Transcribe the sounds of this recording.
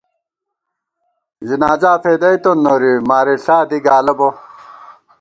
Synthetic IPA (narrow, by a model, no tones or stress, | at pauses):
zinaːd͡ʑaːpeːd̪ɐjt̪onːoːɾimaːɾiɬaːd̪iɡaːlɐbo